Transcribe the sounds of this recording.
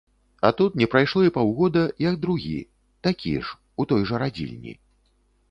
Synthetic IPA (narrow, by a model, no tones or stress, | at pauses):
at̪ut̪nʲɛpɾajʂlˠɔipawɣɔd̪ɐjɐɡd̪ɾuɣʲḭ | t̪akʲḭʂ | ut̪ɔjʐɐɾad͡zʲḭlʲnʲḭ